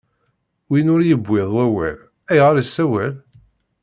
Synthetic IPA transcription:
winʊɾjəbʷːɪðˤwæwæ̰l | æjʁaɾəsːæwæl

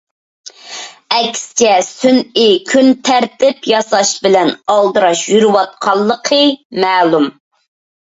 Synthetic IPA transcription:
ɛkʲsɪ̥t͡ʃʰɛsynɪkʲʰynt̪ʰæɾt̪ɪpjɑsɑʃbɪlɛnɑlˠd̪ɨɾɑʃjyɾɨwɑt̪̚qʰɑlˠːəqʰəmæːlˠum

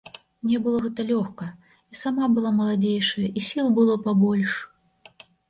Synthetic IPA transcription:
nʲɛbɨlˠɔɣɛt̪ɐlʲɔxkɐ | isamabɨlˠamɐlˠad͡zʲejʂɐjɐʔisʲilˠbɨlˠɔpabɔlʲʂ

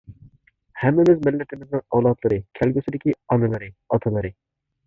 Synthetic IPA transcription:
hɛmːɪmɪzmɪlːɪt̪ʰɪmɪznɪŋɑwlˠɑt̪lˠɨɾɨkʲʰælɡʲysɪd̪ɪkʲiɑnɨlˠɨɾɨɑt̪ʰɨlˠɨɾɨ

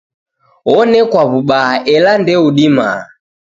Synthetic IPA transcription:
ɔnɛkwaβuɓaʔɛlandɛuɗima̰

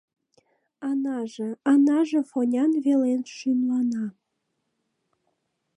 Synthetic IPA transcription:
ɑnɑʒeɑnɑʒĕfonʲɑnβelenʃynlɑnɑ

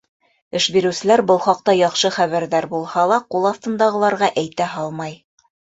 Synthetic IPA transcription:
ɘ̆ʃbiɾɘ̆wsɘ̆læɾbɤlˠχɑq̚t̪ɑjɑχʃɤχæβæɾðæɾbulˠhɑlˠɑqulˠɑθt̪ɤ̆nd̪ɑʁɤ̆lˠɑɾʁɑʔæjt̪æɦɑlˠmɑj

